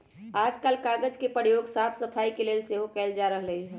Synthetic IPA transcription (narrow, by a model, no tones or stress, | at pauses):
ad͡ʒkalkaɡəd͡ʒkepəjoɡsapʰsəpʰaikelelseɦokɛld͡ʒaɾəɦləi